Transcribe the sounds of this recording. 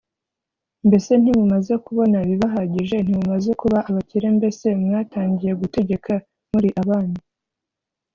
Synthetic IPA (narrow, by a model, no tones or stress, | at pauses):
mbe̞se̞n̥iβumaze̞kuβo̞naβiβaɦaɟiʒe̞n̥iβumaze̞kuβaʔaβaciɾe̞mbe̞se̞mŋaːtaːɲɟije̞ɡute̞ɟe̞ka | muɾiʔaβaːni